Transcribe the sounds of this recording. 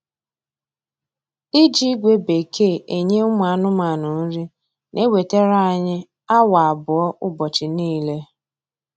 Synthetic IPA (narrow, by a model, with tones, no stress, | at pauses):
i˦d͡ʒi˦ɡʷe˨be˨kʰe˦˨e˨ɲe˦ʊ˦m˨a˨nʊ˦ma˨nʊ˨n̩˦ɾi˦ | nʔe˦we˨te˦ɾa˦a˦˨ɲɪ˦ | a˦wa˨a˨bʊ˨ɔ˦ʔʊ˦bɔ˨t͡ʃɪ˨niː˦le˦